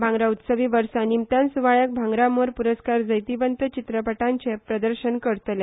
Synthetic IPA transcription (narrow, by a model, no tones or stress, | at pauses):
bʱãŋɡɾaut̪səʋiʋəɾsanimt̪ansuʋaɭjak̚bʱaŋɡɾamoɾpuɾəskaɾd͡zəjt̪ibənt̪ət͡ɕit̪ɾəpəʈãɲt͡ɕepɾəd̪əɾɕənkəɾt̪le